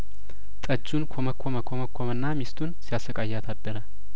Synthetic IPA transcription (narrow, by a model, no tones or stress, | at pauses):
t̪ʼəd͡ʒːunkʰoməkʰːoməkʰoməkʰːomɨnːamist̪ʰunsijasəkʼajːat̪ʰad̪ːəɾə